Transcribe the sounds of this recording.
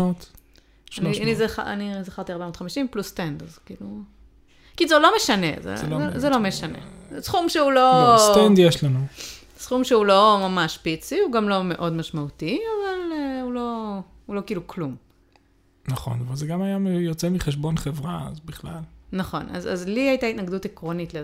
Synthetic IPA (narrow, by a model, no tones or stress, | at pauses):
ot | anianizaχaa̰nizaχaʁt̪iaʁbamot̪χamiʃimplustendazkḭːlu | kizelo̞me̞ʃanḛzḛzelo̞me̞ʃanḛsχumʃeulo̞stend̪jeʃlanu | sχumʃeulo̞mamaʃpit͡siuɡamlo̞me̞ʔo̞dmaʃmaut̪iavaleulo̞hulo̞kiiluklum | naχo̞̰navalzeɡamajamjot͡semiχeʃbo̞nχevʁaa̰zbiχlalnaχo̞̰na̰za̰zliajt̪ait̪naɡd̪utekʁo̞nitle